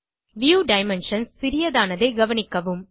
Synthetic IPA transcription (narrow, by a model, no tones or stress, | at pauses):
ʋjuːɖɐɪmɛnʂɐnsːɪɾɪjɐðaːnɐðeɪɡɐʋɐnɪkːɐʋɯm